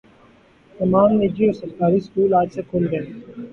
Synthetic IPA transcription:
t̪ɐmaːmːed͡ʒiːoːɾsəɾkaːɾiːskuːlaːd͡ʒsekʰoːlɡeː

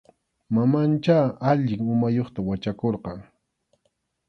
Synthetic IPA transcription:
mamant͡ʃaaʎɪŋʊmajoχt̪awat͡ʃakoɾqɑŋ

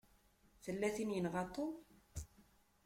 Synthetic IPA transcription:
θəlːæθinjənʁɑt̪ˤːo

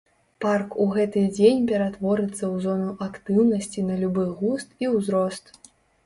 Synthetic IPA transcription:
parkuɣɛt̪ɨd͡zʲenʲpʲɛɾat̪vɔɾɨt̪sːɐwzɔnuʔakt̪ɨwnɐsʲt͡sʲinɐlʲubɨɣust̪iwzɾɔst̪

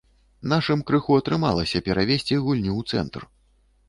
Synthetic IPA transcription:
naʂɨmkɾɨxuɐt̪ɾɨma̰lˠɐsʲɐpʲɛɾʔavʲesʲt͡sʲiɣulʲnʲuwt̪sɛ̰nt̪r

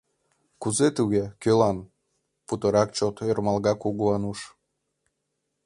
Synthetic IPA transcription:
kuzet̪uɣekølɑn | put̪əɾɑkt͡ɕot̪ørmɑlɣɑkuɣuɑnuʃ

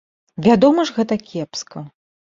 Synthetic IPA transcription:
vʲad̪ɔmɐʐɣɛt̪ɐkʲɛpskɐ

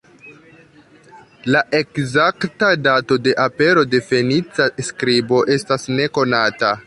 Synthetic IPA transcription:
laʔe̞kzaktadato̞de̞ʔape̞ɾo̞de̞fe̞nit͡saskɾibo̞ʔe̞stasne̞ko̞nata

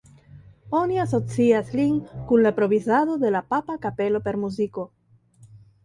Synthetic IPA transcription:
o̞nias̬o̞t͡siasliŋkunlapɾoβizaðo̞d̪e̞lapapakape̞lo̞pe̞ɾmuziko̞

